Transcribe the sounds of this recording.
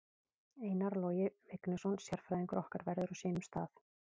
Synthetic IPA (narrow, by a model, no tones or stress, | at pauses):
eːjnaɾlɔwjɪvɪknɪsɔnsjɛɾ̥fɾajðiŋkʏɾʔɔhkaɾvɛɾðʏɾaseːmʏmst̪a̰ːθ